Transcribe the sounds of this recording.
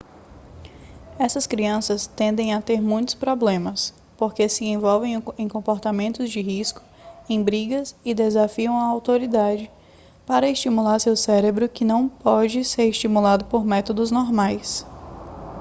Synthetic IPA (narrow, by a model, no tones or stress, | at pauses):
ɛsɐskɾiɐ̃sɐst̪ẽnd̪ẽj̃at̪eɾmũj̃t̪ʊ̥spɾoblẽmɐs | poɾkesɪẽvɔwvẽj̃ẽj̃kõmpoɾt̪amẽnt̪ʊzd͡ʒɪɦiskʊ̥ | ẽj̃bɾiɡɐsɪd̪ezafiɐ̃w̃ɐawt̪oɾid̪ad͡ʒɪ | paɾɐest͡ʃimulaɾsewsɛɾebɾʊkɪnɐ̃w̃pɔd͡ʒɪseɾɪst͡ʃimulad̪ʊpoɾmɛt̪od̪ʊznɔɾmajs